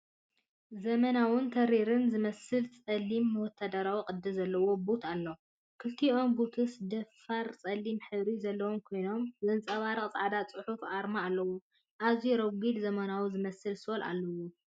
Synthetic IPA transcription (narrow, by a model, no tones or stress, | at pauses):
zɐmɐnawɨnt̪ʰɐɾiɾɨnzɨmɐsɨlt͡sʼɐlːimːɨwɔt̪ʰːad̪ɐɾawiqʼɨd̪ːɨzɐlːɐwo̞but̪ʰalːo | kʰɨlt̪ʰio̞mbut̪ʰɨsd̪ɐfaɾt͡sʼɐlːimħɨβɾizɐlːɐwomkʰo̞jno̞mzɨnt͡sʼɐβaɾɐχʼt͡sʼʕad̪at͡sʼɨħufʔaɾmaːlːɐwu | ʔaziɾoβɡid̪zɐmɐnawzɨmɐsɨlsɨolʔa̰lːɐwu